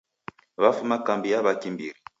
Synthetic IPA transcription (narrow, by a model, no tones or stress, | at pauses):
βafumakambijaβakimbḭɾi